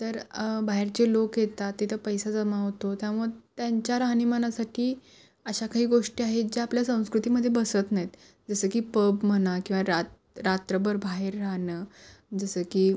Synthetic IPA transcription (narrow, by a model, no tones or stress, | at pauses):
t̪əɾbaɦeɾt͡ɕelokjet̪at̪ːit̪ʰəpəjsad͡zəmaɦot̪ot̪jamut̪jaɲt͡ɕjaɾaɦnimənasaʈʰiː | əɕakaɦiːɡoʂʈiaɦet̪d͡ʑeapljasə̃w̃skɾut̪iməd̪ʱjebəsət̪najet̪ | d͡zəsəːkiːpəbmənakĩw̃ʋaɾat̪ | ɾat̪ɾəbəɾbʱaɦeɾːaɦnəːd͡zəsəːkiː